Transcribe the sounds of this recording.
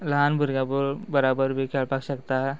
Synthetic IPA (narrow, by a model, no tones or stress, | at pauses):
ləɦanbʱuɾɡabuɾbəɾabəɾbʱikʰɛɭpakɕəkt̪a